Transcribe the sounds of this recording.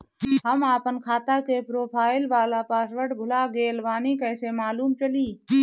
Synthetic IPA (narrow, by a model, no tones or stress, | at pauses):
ɦəmaːpənkʰaːt̪akepɾoːpʰaːɪlʋaːlapaːsʋəɽbʱʊlaɡeːlʋaːnikəɪsemaːluːmt͡ʃəliː